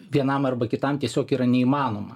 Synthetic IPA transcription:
ʋʲiɛnɐmɐrbɐkʲɪt̪ɐmt̪ʲiɛsʲoːkiːɾɐnʲɛiːmɑːnoːmɐ

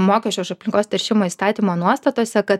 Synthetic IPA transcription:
moːkʲɛʃʲt͡ʃʲɛʊɪʃɐpʲlʲɪŋkoːst̪ɐɾʲʃʲɪmoːist̪ɑːt̪ʲiːmoːnuɔst̪ɐt̪oːsʲɛkɐt̪

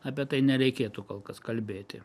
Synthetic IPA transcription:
ɑːpʲiɛt̪ɐɪnʲɛɾʲɛɪkʲeːt̪ukoːlˠkɐskɐlʲbʲeːt̪ʲɪ̰

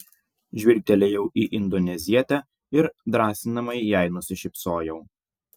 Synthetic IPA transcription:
ʒʲʋʲɪɾʲt̪ʲɛlʲejɛʊʔiːʔɪnd̪ɔnʲɛzʲiɛt̪ʲɛ | ɪɾd̪ɾɑːsʲɪnɐmɐɪjæˑɪnʊsʲɪʃʲɪpsoːjɛʊ

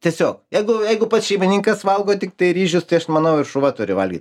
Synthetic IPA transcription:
t̪ʲiɛsʲoːkjɛɪɡʊjɛɪɡʊpɐsʃʲɛɪmʲɪnʲiŋkɐsʋɐlˠɡoːt̪ʲɪkt̪ɐɪɾʲiːʒʲʊst̪ɐɪɐʃmɐnɐʊɪrʃʊʋɐt̪ʊɾʲɪʋɐ̰lʲɡʲiːt̪

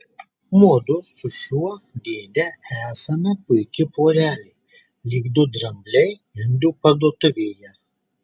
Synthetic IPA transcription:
muɔd̪ʊsʊʃʲuɔd̪ʲeːd̪ʲɛæːsɐmʲɐpʊɪkʲɪpoːɾʲæːlʲɛ | lʲiːɡd̪ʊd̪ɾɐmʲbʲlʲɛɪ | ɪnd̪ʊpɐd̪uɔt̪ʊʋʲeːjɛ

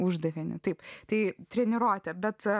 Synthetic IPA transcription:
ʊʒd̪ɐʋʲɪnʲʊt̪ɐɪpt̪ɐɪt̪ʲɾʲɛnʲɪɾoːt̪ʲɛbʲɛt̪

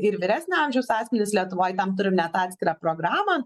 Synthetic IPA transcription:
ɪɾʋʲɪɾʲæːsʲnʲʊɑmʲʒʲɛʊsɑːsʲmʲɛnʲɪslʲiɛt̪ʊʋoːjt̪ɐmt̪ʊɾʲɪmnʲɛt̪ɑːt̪sʲkʲɪɾɑːpɾoːɡɾɑːmɐ

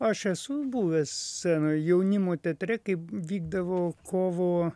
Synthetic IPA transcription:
ɐʃɛsʊbuːʋʲɛssʲæːnojɛʊnʲɪmoːt̪ʲɛt̪ʲɾʲɛkɐɪpʋʲiːɡ̚d̪ɐʋoːkʰoːʋoː

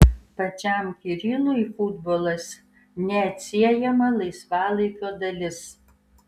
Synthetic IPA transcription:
pɐt͡ʃʲæmkʲiɾʲiːlˠuifud̪boːlˠɐsʲ | nʲɛːt̪ʲsʲiɛjɛmɐlˠɐɪsʋɑːlˠɐɪkʲoːd̪ɐlʲɪs

